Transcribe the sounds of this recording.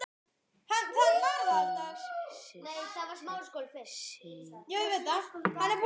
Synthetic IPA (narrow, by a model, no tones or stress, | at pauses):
hank̪ʰɔvaɾaðat̪a | nejθavaɾ̥smawɾskoːlfɪ̥sjɛɣɪveːt̪ahanːɛɾp